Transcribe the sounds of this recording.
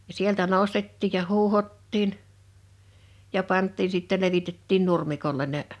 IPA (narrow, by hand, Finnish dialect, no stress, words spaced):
jɑ sieltæ noˑstetːiːj jɑ huːhotːiːn jɑ pɑntˑiːn̞ siˑtːe leʋitetːiːn nurmikolːen̆ ne